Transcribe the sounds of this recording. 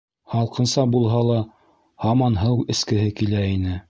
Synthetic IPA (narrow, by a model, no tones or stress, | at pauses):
hɑlˠqɤ̆nsɑbulˠɦɑlˠɑ | hɑmɑnɦɤwɘ̆skɘ̆ɦɘkilæinɘ